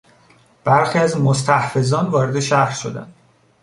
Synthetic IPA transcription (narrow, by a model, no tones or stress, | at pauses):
b̥æɾxiːæzmo̞st̪ʰæhfe̞zɒːnvɒːɾe̞d̪e̞ʃæhɾʃo̞d̪æ̰nd̪̥